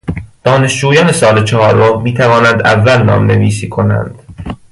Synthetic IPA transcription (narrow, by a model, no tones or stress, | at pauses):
d̪̥ɒːne̞ʃd͡ʒuːjɒːne̞sɒːlet͡ʃʰɒhɒːɾomiːt̪ʰævɒːnænd̪ævːælnɒ̰ːmne̞viːsiːkʰo̞næ̰nd̪̥